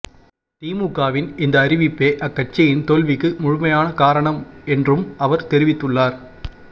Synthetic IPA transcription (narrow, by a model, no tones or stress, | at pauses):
t̪iːmukːaːʋɪnɪnd̪ɐːɾɪʋɪpːeːʔɐkːɐʈ̚t͡ʃːɐjɪnt̪oːlʋɪkːɯmʊɻʊmɐjaːnɐkaːɾɐɳɐmɛndrɯmɐʋɐɾt̪ɛɾɪʋɪt̪ːɯɭːaːɾ